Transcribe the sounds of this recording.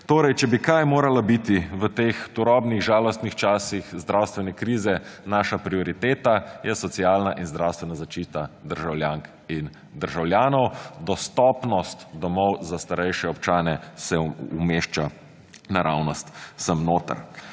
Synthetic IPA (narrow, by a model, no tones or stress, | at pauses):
t̪oːɾɛjt͡ʃɛbikajmoːɾalabit̪iʋət̪ext̪uɾɔːbniɣʒaːlɔst̪nixt͡ʃaːsixzd̪ɾawst̪ʋɛnɛkɾiːzɛnaʃapɾiɔɾit̪eːt̪ajɛsɔt̪siaːlnaʔinzd̪ɾawst̪ʋɛnazaʃt͡ʃiːt̪ad̪əɾʒawlʲjaŋk | in | d̪əɾʒawlʲjaːnɔwd̪ɔst̪ɔpnɔst̪d̪ɔmɔwzast̪aɾɛjʃɛɔpt͡ʃaːnɛsɛumeːʃt͡ʃa | naɾawnɔst̪səmnoːt̪ə̰ɾ